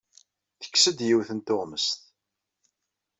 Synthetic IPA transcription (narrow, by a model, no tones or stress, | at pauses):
θə̥kːsəd̪jiwθənt̪oʁməst̪